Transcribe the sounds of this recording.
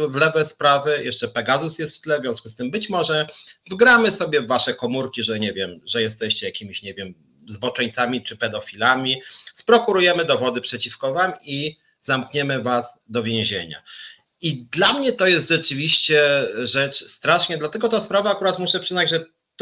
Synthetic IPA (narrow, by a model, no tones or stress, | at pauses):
vlɛvɛspɾavɘjʔɛʂt͡ʂɛpɛɡazusjɛst̪ft̪lɛvʲjɔ̃w̃skust̪ɘmbɘt͡ɕmɔʐɛvɡɾamɘsɔbʲjɛvːaʂɛkɔmuɾkʲiʐɛɲɛvʲjɛmʐɛjɛst̪ɛɕt͡ɕɛjakʲimʲiɕɲɛvʲjɛm | zbɔt͡ʂɛɲt̪samʲit͡ʂɘpɛd̪ɔfʲilamʲispɾɔkuɾujɛmɘd̪ɔvɔd̪ɘpʂɛt͡ɕifkɔvami | zamkɲɛmɘvasd̪ɔvʲjẽʑḛɲa̰ | id̪lamɲɛt̪ɔjɛst̪ʐɛt͡ʂɘvʲiɕt͡ɕɛʐɛt͡ʂst̪ɾaʂɲad̪lat̪ɛɡɔt̪aspɾavaːkuɾat̪muɕɛpʂɘznad͡ʑʐɛ